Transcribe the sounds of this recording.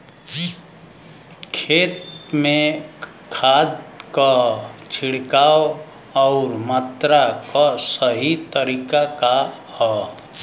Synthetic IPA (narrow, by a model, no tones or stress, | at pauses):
kʰeːt̪mẽ | kʰaːd̪kat͡ʃʰiɽkao | ɔʊɾmat̪ɾakɔsəɦit̪əɾiːkakahɔ